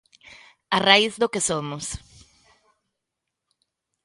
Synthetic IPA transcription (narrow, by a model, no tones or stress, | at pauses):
araizðokesomʊs